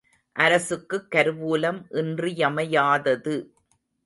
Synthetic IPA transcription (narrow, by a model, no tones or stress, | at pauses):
ʔɐɾɐsɯkːɯkːɐɾɯʋuːlɐmʔɪndrijɐmɐjaːðɐðɯ